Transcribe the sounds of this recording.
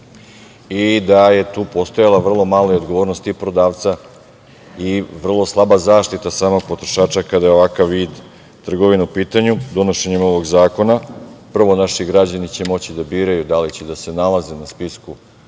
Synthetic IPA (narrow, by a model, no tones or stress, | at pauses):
id̪aje̞t̪uːpo̞st̪ojalˠaʋr̩lˠo̞malˠoiod̪ɡoʋo̞ːɾnost̪ipɾo̞d̪aːʋt̪sa | iʋr̩lˠo̞slˠabazaːʃt̪it̪asaːmo̞ɡ̥̚pot̪ɾo̞ʃaːt͡ʃakad̪ajeo̞ʋakaʋːiːd̪ | t̪r̩ɡo̞ʋinaupiːt̪aɲud̪o̞no̞ʃe̞ɲimo̞ʋo̞ɡzaːko̞napr̩ʋo̞naʃiɡɾad͡ʑanit͡ɕe̞mo̞t͡ɕid̪abiːɾajud̪alit͡ɕed̪ase̞nalˠaze̞naspisku